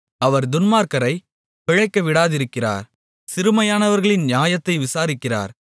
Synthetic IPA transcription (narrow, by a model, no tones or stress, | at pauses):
ɐʋɐɾd̪ʊnmaːɾkɐɾɐɪ | pɪɻɐɪkːɐʋɪɽaːðɪɾɯkːɪra̰ːɾ | sɪɾɯmɐjaːnɐʋɐɾɣɐɭɪnnjaːjɐt̪ːɐɪʋɪsaːɾɪkːɪra̰ːɾ